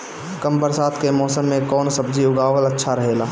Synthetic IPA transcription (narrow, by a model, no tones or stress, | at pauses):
kəmbəɾsaːt̪ʰkemɔːsəmːẽkɔːnsɐb̚d͡ʒiʊɡaːwəlɐtːʃʰaɾəɦeːlaː